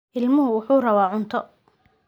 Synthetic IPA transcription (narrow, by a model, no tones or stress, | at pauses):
ʔɪlmʊɦʊwʊħuːrɐβaːʕʊnt̪ʰɔ